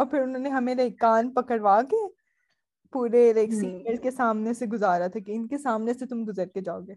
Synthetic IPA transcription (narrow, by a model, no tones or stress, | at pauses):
ɔːɾpʰɪɾʊnɦõːneɦɐmẽleɪkːaːnpɐkəɽʋaːke | puːɾeleːksiːŋɡəlkesaːmneseɡʊzaːɾat̪ʰakeɪnkesaːmneset̪ʊmɡʊzəɾked͡ʒaːoɡeː